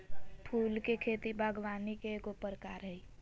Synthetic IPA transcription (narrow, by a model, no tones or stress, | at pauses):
pʰuːlkekʰeːt̪ibʱaːɡʋaːnikekopəɾkaːɾɦəi